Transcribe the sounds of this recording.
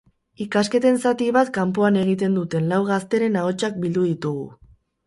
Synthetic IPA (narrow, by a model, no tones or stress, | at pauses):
ikaske̞t̪e̞nsat̪iβat̪kampoane̞ɣ̞it̪e̞nd̪ut̪e̞nlawɣ̞ast̪e̞ɾe̞naot͡ʃak̚bild̪uðit̪uɣṵ